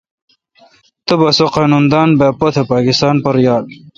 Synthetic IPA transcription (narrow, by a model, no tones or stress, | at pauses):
t̪ɐbɐsoqɑːnund̪aːnbeːpot̪ʰepaːkist̪aːnpɐɾjaːd̪